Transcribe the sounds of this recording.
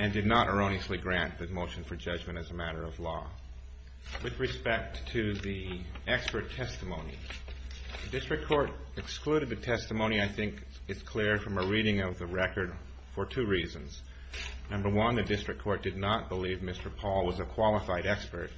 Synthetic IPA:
ɨ̃ndɨdⁿnəɾʔə̰˞õʊ̃niɨsliɡɹæ̃nðɨmoʊʃɨ̃nfə˞d͡ʒʌd͡ʒmɨ̃ɾ̃ɨzəmæɾə˞ʌvlɔ | wɨðɹɨspɛk̚tʰɨðiɛkspə˞tʰɛstəmõʊ̃nḭ | ðɨdɪstɹ̥ɨkʰɔɹɾ | ɨkskluɾɨd̪̚ðɨtʰɛstəmõʊ̃niaɪθɪ̃ŋk | ɨz̥kʰl̥ɪɹfɹʌ̃məɹiɾɪ̃ŋʌvðɨɹɛkə˞d̥ | fə˞tʰʉɹizɨ̃nz̥ | nʌ̃mbə˞wʌ̃nðɨdɪstɹ̥ɨk̚ʰɔɹt̚d̥ɨdⁿnət̚b̥əlivmɪstə˞pʰɔlˠwʌzɨkʰw̥ɑlˠəfaɪɾɛkspə˞t̚

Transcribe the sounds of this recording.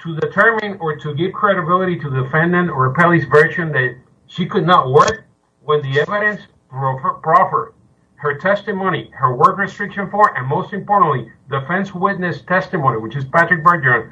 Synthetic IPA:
tʰɨdɨtʰɜ˞mɪ̃nə˞tʰɨɡɪvkʰɹ̥ɛɾɨbɪlˠɨɾiɾɨðɨfɛ̃ndɨ̃nə˞pʰɛlˠisvɜ˞ʃɨ̃nðɨt̚ | ʃikʰɨdⁿnət̚wɜ˞k̚ | wɛ̃nðiɛvɨɾɨ̃ns | pɹfpʰɹɑfə˞ | hə˞tʰɛstɨmõʊ̃ñihə˞wɜ˞kɹɨstɹ̥ɪkʃɨ̃nfəɹʔɨ̃nmoʊstɨ̃mpɔɹʔn̩tlidɨfɛ̃nswɪtⁿnɨstʰɛstɨmõʊniwɨt͡ʃɨzpætɹ̥ɨk̚bə˞də̃n

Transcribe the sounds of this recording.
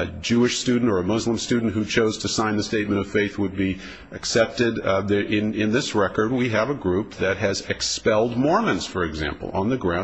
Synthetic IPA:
ɨd͡ʒʉɨʃstʉdⁿn̩tə˞ɨmʊzlə̃mstʉdⁿn̩tɦʉt͡ʃʰoʊz̥tʰɨsãɪ̃nðɨsteɪt̚mɨ̃ɾ̃ʌv̥feɪθwəd̚bi | ɨksɛp̚tɪɾðʔɪ̃nɪ̃nðɪsɹɛkə˞d̚wiɨvɨɡɹʉp̚ðɨt̚ɦɨzɨkspɛlˠd̚mɔɹmɨ̃nz̥fə˞ɨɡzæ̰̃mpl̩ˠə̰̃nðɨɡɹãʊ̃

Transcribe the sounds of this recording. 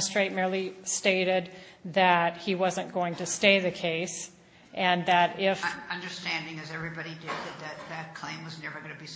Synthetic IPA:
stɹ̥eɪt̚mɛɹlˠisteɪɾɪd̪̚ðɨt̚hiwʌzɨ̃nɡ̥oʊɪ̃ŋtɨsteɪðɨkʰeɪs | ʔɨ̃nðɨɾɪfʌ̃ndə˞stæ̃ndɪ̃ŋɨzɛvɹibɑɾidɪd̪̚ðɨd̪̚ðɨt̪̚ðɨt̚kʰl̥ẽɪ̃mwʌznɛɹvə˞ɡʌnɨbi

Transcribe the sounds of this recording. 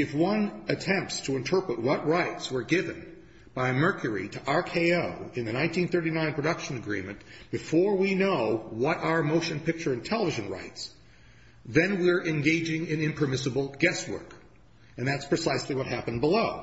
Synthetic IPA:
ɨfwʌ̃nɨtʰɛ̃mp̚tstʰəɨ̃ntʰɜ˞pɹɨt̚wʌt̚ɹaɪtswə˞ɡɪvɨ̃n | b̥aɪmɜ˞kʰjə˞ḭɾɨʔɑɹkʰeɪoʊɨ̃nðɨnãɪ̃ntĩnθɜ˞ɾinãɪ̃npʰɹ̥ɨdʌkʃɨ̃nɨɡɹḭ̃mɨ̃nb̥ɨfɔɹwinoʊwʌɾaʊə˞moʊʃɨ̃npɪk̚t͡ʃə˞ɨ̃ntʰɛlˠəvɪʒɨ̃nɹa̰ɪts | ðɨ̃nwiɹʔɨ̃nɡeɪd͡ʒɪ̃ŋɪ̃nɪ̃mpʰə˞mɪsɨbl̩ˠɡɛst̚wɜ̰˞k | ɨ̃nðætspʰɹ̥ɨsaɪsliwʌt̚hæpɨ̃n̩bəloʊ

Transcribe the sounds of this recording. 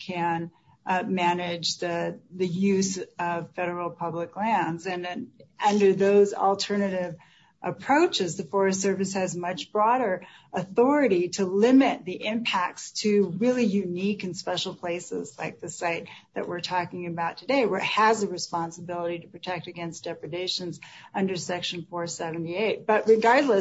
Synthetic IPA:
kʰɨ̃n | mænɪd͡ʒðɨðɨjʉzʌv̥fɛɾə˞l̩ˠpʰʌbləklæ̃ndzɨ̃ñʌ̃ndə˞ðoʊzl̩ˠtʰɜ˞nɨɾɪv | ʔɨpʰɹ̥oʊt͡ʃɨzðɨfɔɹɨsɜ˞vɨshɨzmʌt͡ʃb̥ɹɔɾə˞ | ʔəθɔɹɨɾiɾɨlɪ̃mɪt̪̚ðiʔɪ̃mpʰæk̚tstʰɨɹɪlˠijʉnikɨ̃nspɛʃl̩ˠpʰl̥eɪsɪ̰zla̰ɪk̚ðɨsaɪt̪̚ðɨ̰ʔwɪɹtʰɔkɪ̃ŋɨbaʊtʰɨdeɪwəʔ̚həzɨɹɨspɑ̃nsəbɪlˠəɾiɾɨpʰɹ̥ɨtʰɛk̚tɨɡɛ̃nsd̥ɛpɹɨdeɪʃɨ̃nzʌ̃ndə˞sɛkʃn̩fɔɹsɛvn̩tieɪt̚b̥ʌʔ̚ɹɨɡɑɹdˡlə

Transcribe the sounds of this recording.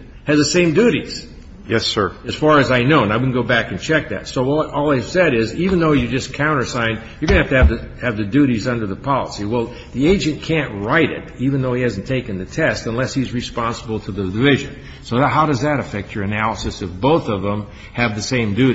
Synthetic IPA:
hɨzðɨsẽɪ̃mdʉɾiz̥ | jɛsɜ̰˞ɨz̥fɑɹɨzaɪnoʊnaɪwɨdⁿn̩ɡoʊbækɨ̃nt͡ʃʰɛk̚ðɨ̰tsoʊʔɔlˠaɪv̥sɛɾɪzivɨ̃nðoʊjə˞d͡ʒʌskʰãʊ̃ɾ̃ə˞sãɪ̃n | jə˞ɡʌnɨhæftɨɨvðɨ | ɨvðɨdʉɾizʌ̃ndə˞ðəpʰɑlˠə̰siwɛlˠ | ðieɪd͡ʒɨ̃nkʰæ̃nʔɹaɪɾɪ̰ɾivɨ̃nðoʊihæzn̩tʰeɪkɨ̃n̩ðɨtʰɛstə̃nlɛshizɹɨspɑ̃nsəbl̩ˠtʰəðɨdɨvɪʒɨ̰̃n | soʊðɦaʊɾʌzðɨɾɨfɛk̚t͡ʃə˞ɨnælˠəsɨsɨfb̥oʊθʌvðə̃m | ɨvðɨsẽɪ̃mdʉ

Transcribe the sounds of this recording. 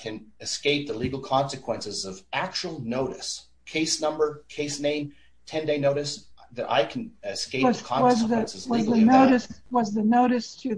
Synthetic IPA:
kʰɨ̃nɨskeɪp̚ðəliɡl̩ˠkʰɑ̃nsɨkʰw̥ɛ̃nsɨzʌvʔæk̚t͡ʃul̩ˠnoʊɾɨs | kʰeɪsnʌ̃mbə˞kʰeɪsnẽɪ̃m | tʰɛ̃ndeɪnoʊɾɨsðɨɾa̰ɪkʰn̩ɨskeɪwʌkʰɑ̃nwʌzðɨnsɨzwʌzðɨnoʊɾɨswʌzðɨnoʊɾɨstʰɨ

